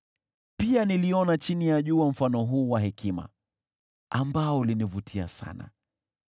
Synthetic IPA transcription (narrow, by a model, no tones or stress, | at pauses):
pianiliɔnat͡ʃinijaʄuːwam̩fanɔɦuːwaɦɛkima̰ | ambaɔulinivutʰia̰sa̰na̰